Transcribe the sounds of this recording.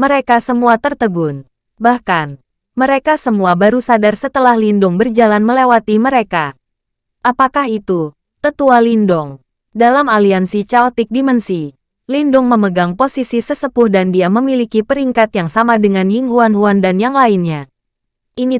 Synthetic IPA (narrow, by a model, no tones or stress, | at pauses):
məɾekasəmuat̪ərt̪əɡʊn | bahkan | məɾekasəmuabaɾusadarsət̪əlahlindʊŋbərd͡ʒalanməlewat̪iməɾeka | ʔapakahit̪u | t̪ət̪ualindɔŋ | dalamaliansit͡ʃalt̪ik̚dimənsi | lindʊŋməməɡaŋposisisəsəpʊhdandiaməmilikipəɾiŋkat̪jaŋsamadəŋanjiŋɦuanɦuandanjaŋlainɲa | ʔini